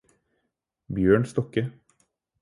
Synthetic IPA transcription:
bjøːɳst̪ɔkə

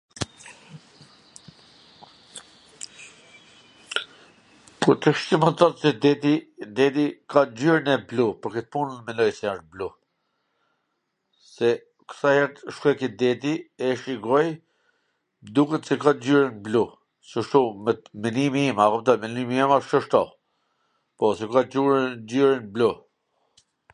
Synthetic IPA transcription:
puɾt̪əʃciməθɔt̪sɛd̪ɛt̪id̪ɛd̪ikad͡ʑyɾnɛblupəɾkət̪̚punənmɛlɔjsɛaʃblu | sɛ | ksahɛɾt̪ʃkɛkid̪ɛt̪iɛʃiɡɔj | d̪ukət̪sɛkad͡ʑyɾənblu | səʃt̪umɛmɛnimiɛmakɔpt̪ɔmɛnimiɛmaʃsəʃt̪ɔ | pɔsɛkad͡ʑuɾd͡ʑyɾənblu

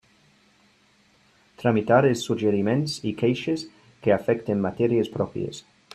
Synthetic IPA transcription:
t̪ɾamit̪aɾelsːuʒeɾimẽnsikejʃes | keafɛkt̪emːat̪ɛɾjespɾɔpɾjḛs

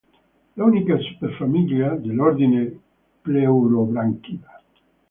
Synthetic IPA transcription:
launikasu̥peɾfamiljiad̪elɔɾd̪ine | plewɾobɾaŋkiva

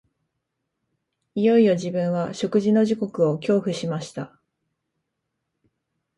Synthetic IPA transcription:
ijo̞ijo̞ʑibɯ̟̃ɰ̃βaɕo̞kɯ̟ʑino̞ʑiko̞kɯ̟o̞kʲo̞ːɸɯ̟ɕimaɕi̥t̪a

